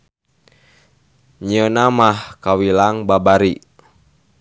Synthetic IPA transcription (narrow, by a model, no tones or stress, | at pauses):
ɲənamahkawilaŋbabaɾi